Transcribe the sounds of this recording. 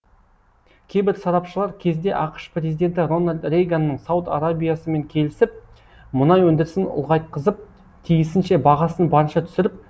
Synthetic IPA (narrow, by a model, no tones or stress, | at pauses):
kʲʰe̞jbɪɾsɑɾɑpʃəlˠɑɾkʲʰe̞zd̪e̞ʔɑqə̥ʃpɾʲe̞zijd̪e̞nt̪̬ɪro̞nalʲd̪re̞jɡanːəɴsawt̪a̰ɾabʲijasəme̞ŋkʲʰe̞lɪsɪp̚ | mʊnɑjwɵnd̪ɪɾɪsɪnʊ̰lˠʁɑjt̪̚qəzəp̚ | t̪ʰijɪsɪnʃe̞bɑʁɑsənbɑɾənʃɑt̪ʰʏ̥sɪɾɪp̚